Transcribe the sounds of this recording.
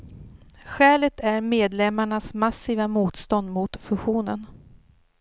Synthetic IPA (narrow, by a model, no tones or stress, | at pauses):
ɧɛːlət̪ʰæɾmeːd̪lɛmːaɳasmasːiːvamuːt̪st̪ɔnd̪mʊt̪fɵɧuːnən